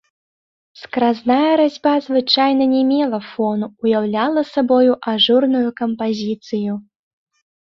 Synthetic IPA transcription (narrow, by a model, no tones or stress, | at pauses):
skɾaznajɐɾad͡zʲbazvɨt͡ʂajnɐnʲɛmʲɛlˠɐfɔnuːjawlʲalˠɐsabɔjuʔaʐurnujukɐmpazʲit̪sɨju